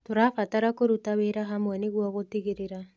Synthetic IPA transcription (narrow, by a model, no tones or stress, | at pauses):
toɾafataɾakoɾutaweɾaɦamwɛneɣwɔɣotiɣeɾeɾa